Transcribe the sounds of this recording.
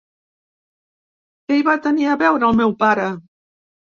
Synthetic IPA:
keiβat̪əniəβɛwɾəːlˠmɛwpaɾə

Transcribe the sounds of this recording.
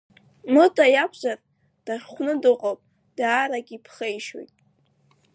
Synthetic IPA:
mɨtʼajapʰʼʒar | d̥aʂχʷnɨdɨqʼopʼ | d̥aːɾaɡʲipʰχejʃo̰jtʼ

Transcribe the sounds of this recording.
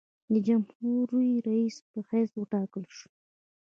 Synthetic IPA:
d̪əd͡ʒamhuɾiɾaispəxeswəʈɑkəlʃu̥

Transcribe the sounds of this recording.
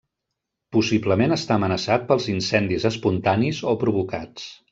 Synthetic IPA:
pusibləmenəst̪aəmənəsat̪̚pəlˠzinsɛnd̪izəspunt̪anizopɾuβ̞uka̰t͡s

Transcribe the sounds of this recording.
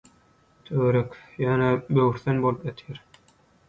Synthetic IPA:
t̪ʰøɾekjɑːnæbøwyɾθenbolˠɯpjɑt̪ʰjæɾ

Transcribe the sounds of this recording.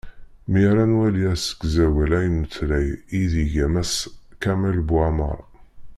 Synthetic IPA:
miɾænwæliæsə̥kzæwælæjnət̪ːlæjiðiʝæmæskæmælbwæmə̰ɾˤ

